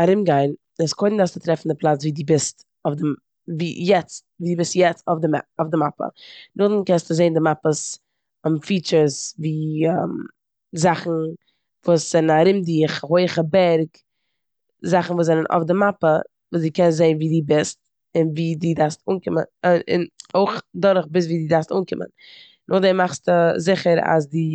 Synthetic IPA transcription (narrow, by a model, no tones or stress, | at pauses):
aɾɪmɡaɪn | ɪskʰoɪdn̩dasttɾɛfn̩dɪplˠat͡sviːdiːbɪst | ɔfdɪ | viːjɛt͡stviːdiːbɪstjɛt͡stofdɪ̰ɔfdɪmapə̰nʊχdn̩kɛnstɪzeɪndɪmapəs | ʊmfiːt͡ʃəɾsviːam | zaχn̩ | vuːsz̥ɛnnaɾɪmdiːχɦoɪχəbɛɾɡ | zaχn̩vuːs̬ɛnənʔɔ̰fdɪmapə | vuːsdiːkɛnzeɪnviːdiːbɪst | ɪnviːdiːdaɾstuːnkɪmə̰nɪ̰noɪχdɔɾχbɪs̬viːdiːdaɾstuːnkɪmə̰n | nʔʊχdɛnmaχstʊzɪχəɾa̰s̬di